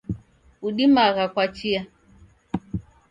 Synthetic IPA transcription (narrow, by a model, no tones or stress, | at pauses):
uɗimaɣakwat͡ʃia